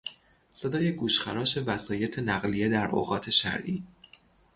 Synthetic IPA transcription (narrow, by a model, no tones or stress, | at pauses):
se̞d̪ɒːje̞ɡuːʃxæɾɒːʃe̞væsɒːje̞t̪ʰenæɣlije̞d̪æɾo̰ɣɒːt̪ʰe̞ʃæ̰ɾʔiː